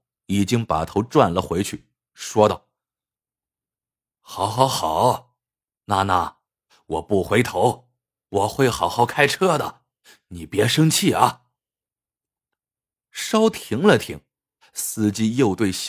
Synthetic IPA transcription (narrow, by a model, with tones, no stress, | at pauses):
i˨˩t͡ɕi˥ŋpa̰˨˩t̪ʰo˧˥ʊʈ͡ʂwa˥˩nlə˨xwe˧˥ɪt͡ɕʰy˥˩ | ʂwɔ˥t̪ɑ˥˩ʊ | xɑ˧˥ʊxɑ˧˥ʊxɑ˨˩˦ʊ | na˥˧na˥˩ | wɔ˨˩pu˥˩xwe˧˥ɪt̪ʰo˧˥ʊ | wɔ˨˩xwe˥˩ɪxɑ˨˥ʊxɑ˧˩ʊkʰa˥ɪʈ͡ʂʰɤ˥d̪ə̰˨ | ni˨˩pjɛ˧˥ʂɤ˥ŋt͡ɕʰi˥˩ʔɐ˩ | ʂɑ˥ʊt̪ʰi˧˥ŋlə˨t̪ʰi˧˥ŋ | sɹ̩˥˩t͡ɕi˥˧jo˥˧ʊt̪we˥˩ɪɕ